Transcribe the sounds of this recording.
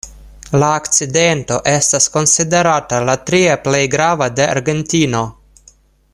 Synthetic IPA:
laːkt͡side̞nto̞ʔe̞stasko̞nside̞ɾatalatɾiaple̞jɡɾavade̞a̰ɾɡe̞ntino̞

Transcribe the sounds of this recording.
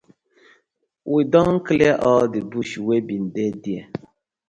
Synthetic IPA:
wʔidɔŋŋ̩klɛʔɔldibuʃwebin̩dedia̰

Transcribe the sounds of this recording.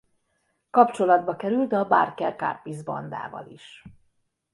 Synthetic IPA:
kɒpt͡ʃo̞lɒd̪̚bɒkɛɾylt̪ɒba̰ːrkɛlka̰ːrpizbɒ̰nd̪a̰ːvɒ̰liʃ

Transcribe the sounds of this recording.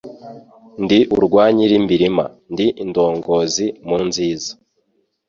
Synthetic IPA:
ndiʔuɾɡwaːɲiɾimbiɾima̰ndiʔindo̞ːŋɡo̞zimunziːzḁ

